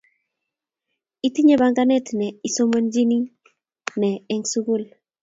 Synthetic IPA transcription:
i˦ti˦ɲe˦ba˨ŋɡa˦nɛ˦tnɛ˨i˨so˦mə˦nd͡ʒi˦ni˦ | nɛ˨ɛ˨ŋsu˦ɡu˦˨l

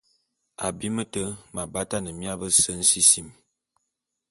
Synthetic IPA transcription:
a˨bi˦mə˦tə˦ma˨ba˦ta˦nə˨mja˦bə˦sə˦n̩˦si˦si˦m

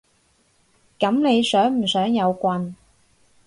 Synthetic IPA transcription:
kɐ˨˥mne˨˧jsœː˨˥ŋm̩˨˩sœː˨˥ŋjɐ˨˧wkʷɐ˧n

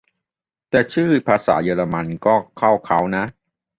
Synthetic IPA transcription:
t̪ɛː˨˩t͡ɕʰɯː˥˩pʰaː˧sa̰ː˩˦jɤː˧la˧ma˧nkɔː˥˩kʰa˥˩wkʰa˦˥wna˦˥ʔ

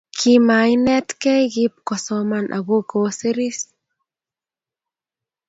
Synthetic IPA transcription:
kʰima˨jnɛ˦t̪kɛ˦jɡi˦p̚kɔ˨sɔma˨nʔa̰ɣo˦ko˧se˦ɾi˦s

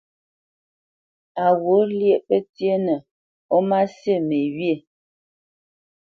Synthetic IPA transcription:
a˨wo˨˦lje˦ʔpə˦tje˦nə˨ | o˦ma˦sjə˦˨me˨wje˦˨

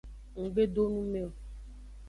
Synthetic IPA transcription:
ŋ̩˨ɡ͡be˦do˦nũ˦me˦ɔ˨

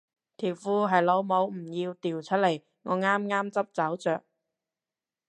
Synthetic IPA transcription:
t̪ʰiː˨˩wfuː˧ɦɐ˨jlo˨˧wmo˨˧wm̩˨˩jiː˧wt̪iː˨˩wt͡ʃʰɵ˥t̚le˨˩j | ŋɔː˨˧ŋaː˥mŋaː˥mt͡sɐ˥p̚t͡sɐ˨˥wt͡sœː˨k̚

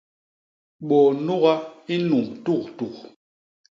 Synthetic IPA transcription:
ɓɔ˨nu˦ɣa˦i˦nu˨mtu˦˨ktu˨k

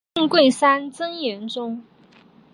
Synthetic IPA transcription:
ŋkwe˥˩ɪsa˥nt͡sɤ˥ŋjɛ˧˥nʈ͡ʂʊ˥ŋ

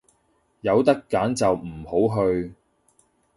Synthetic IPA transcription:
jɐ˨˧wt̪ɐ˥kːaː˨˥nt͡sɐ˨wm̩˨˩ho˨˥wɦɵ˧ɥ

